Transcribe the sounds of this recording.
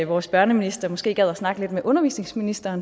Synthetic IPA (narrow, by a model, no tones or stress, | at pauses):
ʋɒːsb̥ɶɐnəminisd̥ɐmɒ̽sɡ̥e̝̰ːɡ̥æð̰ˠæsnɑ̈ɡ̥əle̝d̥meʔɔ̽nɐʋḭːsne̝ŋsminisd̥ɐːn